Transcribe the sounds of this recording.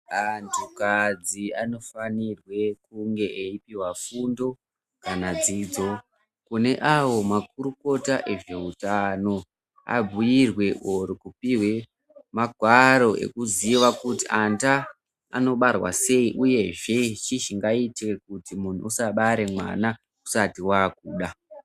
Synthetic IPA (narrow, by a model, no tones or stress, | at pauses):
antʰukad͡ziano̞fanirwe̞kuŋɡe̞ʔeipiwafundo̞ | kanad͡zid͡zo̞ | kune̞ʔawo̞mak̚uɾuko̞taʔe̞ʐe̞utano̞ | a̰b͡vujirwe̞ʔoɾukupiwe̞ | maɡʱwaɾo̞ʔḛkuziʋakutianta̰ː | no̞ɓarwa̰se̞iʔuje̞ʐe̞t͡ʃiʃiŋɡaitek̚utimun̤uusaɓaɾe̞mwa̰na | ku̥satiwaːkuːɗa